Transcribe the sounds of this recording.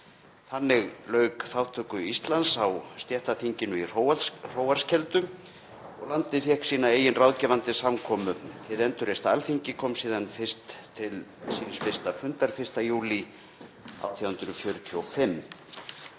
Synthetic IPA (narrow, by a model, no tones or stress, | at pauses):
θanːɪɣlœːɥkθawt̪ʰœkʏist̪lansawst̪jɛht̪aθiɲcɪnʏirowar̥oːwvaɾ̥scɛlt̪ʏm | ɔɣlant̪ɪfjɛhksiːnaeːjɪnrawðcɛːvant̪ɪsamkʰɔːmʏt̪ʰɪðɛnt̪ʏɾest̪aalθiɲcɪkʰɔmsiːðanfɪr̥st̪ʰːɪlsinsfɪ̥st̪afʏnt̪aɾ̥fɪ̥st̪ajuːli | a̰wt̪ʰiawhʏnt̪ɾʏfjœːɾʏt̪ʰiowfɪmː